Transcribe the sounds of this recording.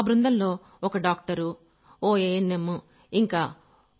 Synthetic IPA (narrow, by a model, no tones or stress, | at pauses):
bɾund̪ɐnlo̞ː | ɔkɐɖaːk̚ʈɐɾu | oːeːnːemːu | iŋkaː